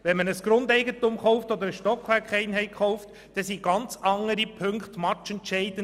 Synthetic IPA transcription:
vɛnmənəsɡ̥ɾʊndɛɪɡətumχɔʊftɔd̪əɾəʃtɔkχʋæɾkχɛɪnɦɛɪχɔʊft | d̥ɛsiɡ̥ɑnt͡sɑŋəɾipʰɵŋkχtmɑtt͡ʃɛntʃɛɪdən

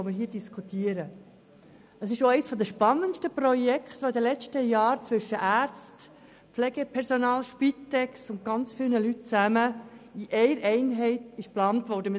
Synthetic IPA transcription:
ɔməɾɦiːədiskʰut̪iːəɾə | əsɪʃoɛɪsfɔd̪əʃpɑnːənʃtəprɔjɛkχt̪ʋoɪd̪əlɛt͡ʃtəjɑːɾt͡sʋʏʃːəʔæːɾt͡st | pflɛɡəpʰɛɾsɔnɑːlʃpit̪ːɛksʊnt̚ɡ̥ɑnt͡sfɪlˠnəlytt͡sæməiʔɛɪɾɛɪnɦɛɪtɪʃplɑːntvʋɔɾdəm

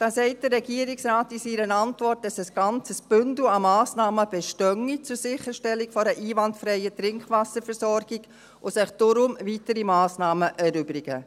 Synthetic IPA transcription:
d̥ɑːsɛɪt̚d̥əɾːɛɡiːəɾɪksɾaːtɪsiɾənɑntʋɔrt̚d̥ɑsəsɡ̥ɑnt͡səsb̥ʏndl̩ɑmɑːsnɑːməb̥ɛʃtœŋit͡sʊɾsɪχəʃtɛlːikfɔɾəʔiːʋɑntfɾɛɪətɾɪŋkʋɑsəɾfɛɾsɔɾɡ̥ɪɡ̥ | osɪχd̥ʊɾʊmvitəɾimɑːsnɑːməʔɛɾʏbɾɪɡə

